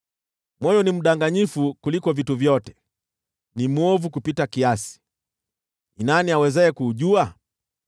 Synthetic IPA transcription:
mɔjɔnim̩ɗaŋɡaɲifukulikɔvituvjɔtɛ̥ | nimuɔvukupitakiasi̥ | inaniawɛzɛɛkuːʄua

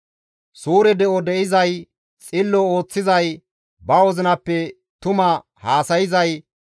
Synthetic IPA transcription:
suːɾɛd̪ɛʔɔd̪ɛʔɪzɐj | t͡sʼɪlːɔo̞ːt͡sːɪzɐj | bɐwɔzɪnɐpːɛ | t̪ʊmɐ | haːsɐjɪzɐj

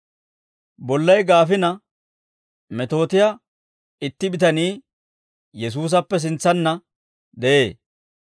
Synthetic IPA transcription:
bɔlːɐjɡaːfɪnɐ | mɛt̪o̞ːt̪ɪjɐ | ɪt̪ːɪbɪt̪ɐniː | jɛs̬uːs̬ɐpːɛs̬ɪnt͡sːɐnːɐ | d̪ɛʔeː

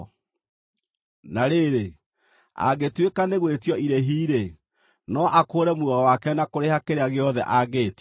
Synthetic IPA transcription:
naɾeɾe | a̰ɣetwekaneɣwetjɔiɾeɦiːɾe | nɔʔakoːɾɛmwuɔwakɛnakoɾehakeɾeaɣeɔðɛ̰ʔaɣeːt

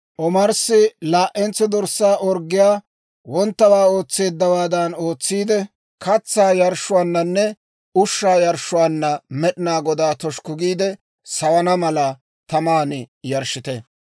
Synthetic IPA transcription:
ʔɔmɐɾsɪlaːʔɛnt͡sːɛd̪ɔɾsːaːʔɔɾɡːɪjaː | wɔnt̪ːɐwaːo̞ːt͡sːe̞ːd̪ːɐwaːd̪ɐno̞ːt͡sːiːd̪ɛ | kɐt͡sːaːjɐɾʃːʊwaːnːɐnːɛ | ʊʃːaːjɐɾʃʊwaːnːɐmɛɗɪnaːɡɔd̪aːt̪ɔʃkʊɡiːd̪ɛ | sɐwɐnɐmɐlɐ | t̪ɐmaːnɪjɐɾʃɪt̪ɛ

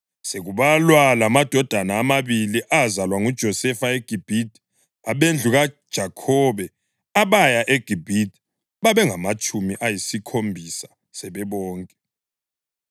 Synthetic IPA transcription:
seɣuβalwalamad̥ʱɔd̥ʱanaːmaβiliʔazalwaŋud̥ʒ̥ʱɔsɛfaeɡ̥ʱib̥ʱitʼ | aɓend͡ɮʱuɣad̥ʒ̥ʱakʰɔβɛ | aβajaʔeɡ̥ʱib̥ʱitʼ | βaβɛŋamat͡ʃʼumiʔajisikʰombʱisḁ | sɛβɛβɔːŋkʼɛ

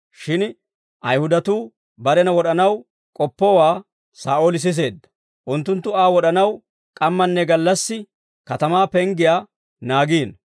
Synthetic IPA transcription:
ʃɪn | ʔɐjhʊd̪ɐt̪uː | bɐɾɛnɐwɔɗɐnɐw | kʼɔpːɔwaː | saːʔoːlɪs̬ɪs̬e̞ːd̪ːɐ̥ | ʔʊnt̪ːʊnt̪ːʊaːwɔɗɐnɐw | kʼɐmːɐnːɛɡɐlːɐsːɪ | kɐt̪ɐmaːpɛŋɡɪjaː | naːɡiːn

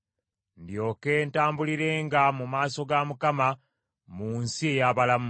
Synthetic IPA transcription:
ndjo̞ːke̞ːntaːmbuliɾe̞ːŋɡamumaːso̞ɡamukama | muːnsie̞jaβalamu

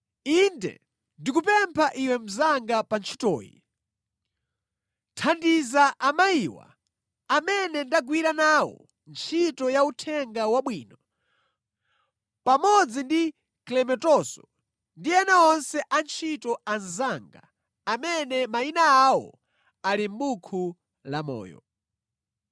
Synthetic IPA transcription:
indɛ̰ | ndikupɛmpʰaʔiwɛm̩zaŋɡapant͡ʃʰi̥tɔ̰ːjḭ | tʰandizaʔamaiːwa̰ | amɛnɛndaɡwiɾanaːwɔ̰ | nt͡ʃʰitɔjautʰɛŋɡawaɓwiːnɔ | pamɔd͡zindi | klɛmɛtɔsɔ | ndiɛnaɔnsɛʔant͡ʃʰitɔanzaŋɡa | amɛnɛmainaawɔ̰ | alim̩bukʰu | lamɔ̰ːjɔ̰

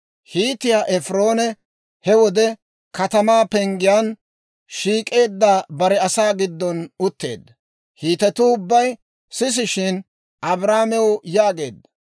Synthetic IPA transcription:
hiːt̪ɪjaːʔɛfɾo̞ːnɛ | hɛwɔd̪ɛ | kɐt̪ɐmaːpɛŋɡɪjan | ʃiːkʼe̞ːd̪ːaːbɐɾɛɐsaːɡɪd̪ːɔnʊt̪ːe̞̰ːd̪ːɐ | hiːt̪ɛt̪ʊːʊbːɐj | sɪs̬ɪʃɪn | ɐbɾaːmɛwʊjaːɡe̞̰ːd̪ːɐ̥

